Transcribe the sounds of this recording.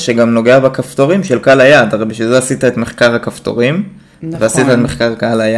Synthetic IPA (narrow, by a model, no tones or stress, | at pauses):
ʃeɡamno̞ɡe̞abekaft̪oʁimʃelkalajad̪aʁejbiʃvilzeasit̪aet̪meχkaʁhakaft̪o̰ʁim | veasit̪aetmeχkaʁkalaja